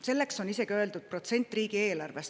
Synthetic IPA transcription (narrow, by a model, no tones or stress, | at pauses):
se̞lːe̞kso̞nise̞ɡ̥iø̞e̞ld̪ud̪̥̚pro̞t̪se̞nʲt̪ːˑriːɡ̥ie̞ːlɑrve̞s